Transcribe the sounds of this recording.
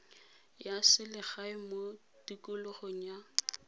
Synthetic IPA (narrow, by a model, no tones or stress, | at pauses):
jasɪlɪχaɪmo | dikʼʊlʊχoŋ̩ja